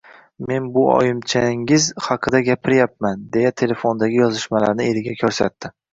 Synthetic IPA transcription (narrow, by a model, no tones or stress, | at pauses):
me̞nbʊɒ̰jɪmt͡ʃʰaŋɪzhɑqʰɨd̪aɡʲapʰɪɾjap̚mand̪e̞jat̪ʰe̞le̞fo̞nd̪aɡʲɪjɒzɪʃmalaɾnɪeɾɪɡʲakʲʰɵɾsa̰t̪ːɪ